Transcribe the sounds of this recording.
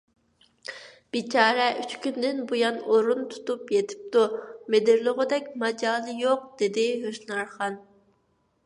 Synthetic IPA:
b̥it͡ʃʰɑːɾɛʔyt͡ʃkʲynd̪ɪnbujɑnoɾunt̪ʰu̥t̪upjet̪ʰɪ̥p̚t̪umed̪ɪɾlˠʊʁʊd̪ɛkʲmɑd͡ʒɑːlˠɨjoq̚d̪̥ed̪ɪɦøʃnɑɾχɑn

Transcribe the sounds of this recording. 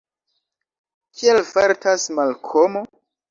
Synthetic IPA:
kʰielfaɾtasmalkʰomo

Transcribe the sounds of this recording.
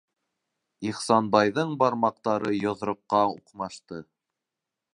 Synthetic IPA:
iχsɑnbɑjðɤɴbɑɾmɑq̚t̪ɑɾɤjŏðɾŏqːɑṵqmɑʃt̪ɤ

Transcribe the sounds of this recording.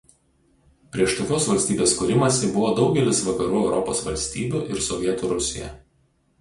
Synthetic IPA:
pʲɾʲiɛʃt̪oːkʲoːsʋɐlʲsʲt̪ʲiːbʲeːskʊɾʲɪmɐsʲɪbʊʋoːd̪ɒʊɡʲɛlʲɪsʋɐkɐɾuːɛʊɾʔɔpo̰ːsʋɐlʲsʲt̪ʲiːbʲuːʔɪɾsɔʋʲiɛt̪uɾʊsʲɪ̰jɛ̰

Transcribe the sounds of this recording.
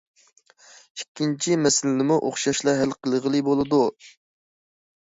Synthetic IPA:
ikʲːint͡ʃʰimɛsɪlɪnɪmuʔoχʃɑʃlˠɑɦɛlqʰəlˠəʁəlˠɨbolˠɨd̪u

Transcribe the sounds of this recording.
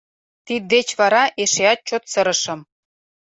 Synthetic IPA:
t̪id̪ːet͡ɕβɑɾɑʔeʃeɑt̪̚t͡ɕot̪sɤɾə̆ʃɤ̆m

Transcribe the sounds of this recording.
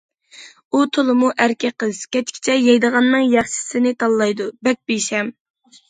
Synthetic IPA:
ut̪ʰolˠɨmuʔæɾkʲʰɛqəz̥kʲɛt͡ʃkʲʰi̥t͡ʃʰɛjɛjd̪əʁɑnːɨŋjɑχʃɪ̥sɪnɪt̪ʰɑlˠːɑjd̪ubɛk̚ʲbeʃɛm

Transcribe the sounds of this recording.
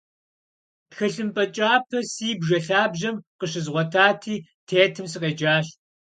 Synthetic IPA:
pxɐɬɨmpʼɐt͡ʃʼaːpʰɐsiːbʒɐɬaːbʒɐmqəʃɪzʁʷɔtʰaːtʰiːtʰeːtʰɨms̬ɨqeːd͡ʒaːɕ

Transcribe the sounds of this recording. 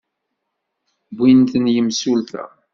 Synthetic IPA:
bʷːint̪ənjəmsulθæ̰

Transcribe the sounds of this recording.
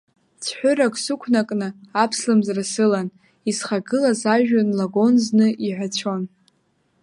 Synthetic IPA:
t͡sʰħʷᶣʊɾakʼsukʷʰnakʼnɨapʰslɨmzrasɨlan | isχaɡɨlazaʒᶣanlaɡo̞nznɨʔiʕʷᶣat͡ɕʷʰo̞n

